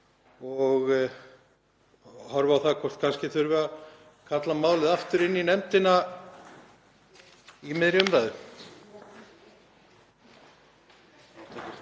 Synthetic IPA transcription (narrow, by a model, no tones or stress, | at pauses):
ɔɣ | hɔɾvawθaðkʰɔr̥t̪̚kʰanscɪθʏɾvʏa | kʰat̪lamaːwlɪðaft̪ʏɾɪnːinɛmt̪ɪna | imɪðɾɪʏmɾaːjðʏ